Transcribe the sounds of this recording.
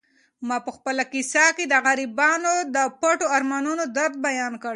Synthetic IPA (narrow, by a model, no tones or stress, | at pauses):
mɑpəxpəlakisaked̪əɣaɾibɑnod̪əpaʈoaɾmɑnunod̪aɾd̪̚bajɑnkəɽ